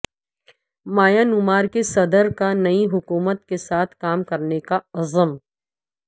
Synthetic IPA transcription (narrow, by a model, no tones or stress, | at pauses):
maːjanʊmaːɾkesɐd̪əɾkanɐiɦʊkuːmət̪̚kesaːt̪ʰkaːmkɐɾnekaɐzəm